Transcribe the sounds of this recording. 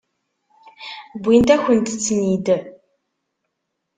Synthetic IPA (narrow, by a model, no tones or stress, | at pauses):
bʷint̪æxʷənt̪t͡sːnid̪ə